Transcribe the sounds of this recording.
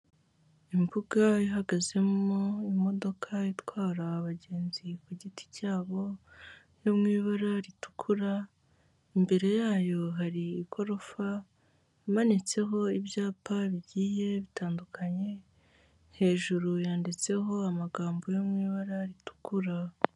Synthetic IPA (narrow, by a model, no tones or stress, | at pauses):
imbuɡajiɦaɡaze̞moimo̞do̞kʰaitwaːɾaːβaɟe̞ːnzikuɟiti̥caːβo̞ | jo̞mŋiːβaɾaɾitu̥kʰuɾa | imbe̞ɾe̞jaːjo̞ɦaɾiːkʰo̞ɾo̞fa | amanit͡se̞ɦo̞ibjaːpaβiɟiːje̞βitaːndukʰaɲe̞ | nhe̞ːʒuɾujaːndit͡se̞ɦo̞amaɡaːmbo̞jomŋiːβaɾaɾitu̥kuɾa